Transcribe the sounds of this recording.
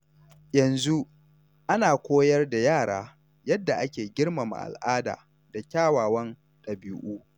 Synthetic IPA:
jɐ˨nzu˦ | ʔa˦naː˨kʷoː˦jɐ˦rda˨jaː˦˨ɽaː˦ | jɐ˦dːa˨ʔa˦kʲeː˨ɡʲɪ˦ɽmɐ˨ma̰˨ʔa̰˨lʔaː˦da̰ː˨ | da˨kʲaː˦˨waː˨wɐ˦n | ɗɐ˨bi˦ʔuː˦

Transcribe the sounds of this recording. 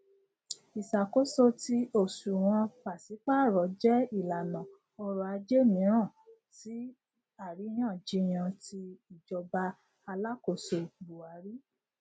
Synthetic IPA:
i˨sa˨ko˦so˦ti˧o˦˨su˨w̃ɔ̃˧pa˨si˨˦k͡pa˦˨ɾɔ˨˦d͡ʒɛ˦i˦˨la˨nã˨ | ɔ˧ɾɔ˧a˧d͡ʒe˦mĩ˨˦ɾ̃ã˦˨ | ti˨˦ | a˦˨ɾi˨˦j̃ã˦˨d͡ʒi˦j̃ã˧ti˧i˨d͡ʒɔ˧ba˧ | a˧la˦ko˦˨so˧bu˨a˨˦ɾi˦

